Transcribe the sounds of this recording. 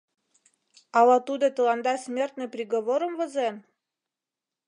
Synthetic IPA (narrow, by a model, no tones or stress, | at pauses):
ɑlɑt̪ud̪ot̪ə̆lɑnd̪ɑsmʲert̪nɨ̆jprʲiɣoβoɾəmvə̆zen